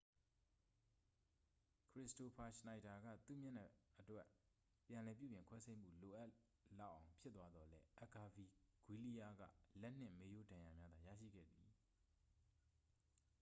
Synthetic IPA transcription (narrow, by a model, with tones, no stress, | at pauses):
kʰɹɪ˦˨sto˨pʰa˨ʃna˨ɪta˨ɡä̰˦˨t̪ṵ˦˨mjã˦˨nɛ̰˦ʔə˨twɛ˦ | pjã˨lɛ˨p̬jṵ˦˨bjɪ̃˨ŋkʰwɛ˦sʰẽ˦ɪ̃m̥ṵ˦˨lo˨ʔa˦ | la˦˨ʔã˨ʊ̃mpʰɪ˦t̪t̪ːwa˦d̪ɔ˨lɛ˦ʔɛ˨ka˨vi˨ɡ̥wi˦li˦ja˦ɡä̰˦˨lɛ˦ʔn̥ɪ̰̃˦˨me˦jo˦dã˨ja˨mja˦d̪a˨jä̰˦˨ʃḭ˦˨ɡɛ̰˦˨d̪i˨